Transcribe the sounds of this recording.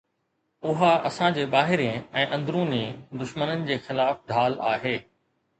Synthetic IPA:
ʊɦaʔɐsãd͡ʑeːɓaːɦɪɾẽɛ̃ːʔɐ̃nd̪ɾũːnid̪ʊʃmənənɪ̆d͡ʑeːxɪlaːfɖʱaːla̰ːɦeː

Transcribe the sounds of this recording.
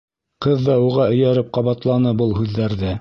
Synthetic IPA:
qɤðːɑuʁɑɵ̆jæɾɘp̚qɑβɑt̪lˠɑnɤbɤlˠhʉðːæɾðɘ

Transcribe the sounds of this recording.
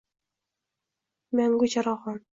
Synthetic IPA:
mæŋɡut͡ɕɑɾɑʁɑn

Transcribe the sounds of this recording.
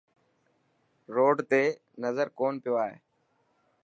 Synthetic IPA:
ɾoːɖt̪eː | nəzəɾkoːnpɪjoːaːɦḛː

